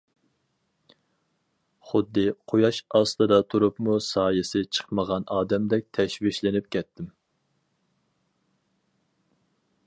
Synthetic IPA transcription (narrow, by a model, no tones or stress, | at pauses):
χʊd̪ːɨqʰojɑʃɑslˠɨd̪ɑt̪ʰuɾupmusɑːjɪsɪt͡ʃʰə̥qməʁɑnɑːd̪ɛmd̪ɛk̚ʲt̪ʰɛʃwiʃlɪnɪp̚kʲʰɛt̪ʰːɪm